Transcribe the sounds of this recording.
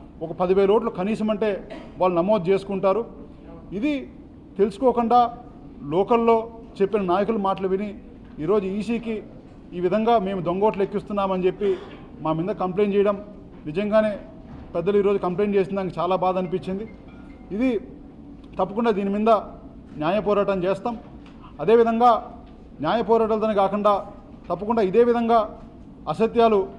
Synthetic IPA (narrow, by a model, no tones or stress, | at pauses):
ɔkɐpɐd̪iʋeːlɐoːʈ̬lɐkɐniːsɐmɐɳʈe̞ːʋaːlːunɐmoːd̪̚t͡ʃe̞ːsu̥kuɳʈaːɾu | id̪i | t̪e̞lisu̥koːkuɳɖaː | lɔːkɐlːo̞ː | t͡ʃe̞pːinɐnaːjɐkulumaːʈɐlɐʋini | iːɾo̞ːd͡ʒuiːsiːkiː | ʋid̪ʱɐŋɡaːme̞ːmud̪o̞ŋɡo̞ːʈ̬lɐekːist̪unːaːmɐnit͡ʃe̞pːi | maːmind̪ɐkɐmple̞ːnt͡ʃɛːjɐɽɐm | nid͡ʒɐŋɡaːne̞ː | pɛd̪ːɐluiːɾo̞ːd͡ʒukɐmple̞ːnt͡ʃeːs̬ind̪aːnkɐt͡ʃaːlaːbaːd̪ɐnipit͡ʃːind̪i | id̪i | t̪ɐpːɐkuɳɖaːd̪iːnimind̪ɐ | njaːjɐpɔːɾaːʈɐmt͡ʃeːst̪aːm | ɐd̪e̞ːʋid̪ʱɐŋɡaː | njaːjɐpɔːɾaːʈɐlt̪ɐnɐkaːkuɳɖaː | t̪ɐpːɐkuɳɖaːid̪e̞ːʋid̪ʱɐŋɡaː | ɐsɐt̪jaːlu